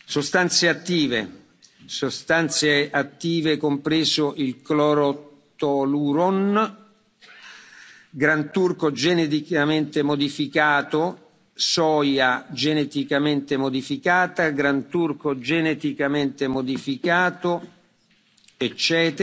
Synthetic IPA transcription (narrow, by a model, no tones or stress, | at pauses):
sost̪ant̪seat̪ːiːvḛ | sost̪ant̪seʔat̪ːiːvekompɾeːzoʔilklɔɾo | t̪ɔluɾon | ɡɾant̪urkod͡ʒenet̪ikament̪emod̪ifikaːt̪o | sɔːjad͡ʒenet̪ikament̪emod̪ifikaːt̪aɡɾant̪urkod͡ʒenet̪ikament̪emod̪ifikaːt̪o | et͡ʃːɛːt̪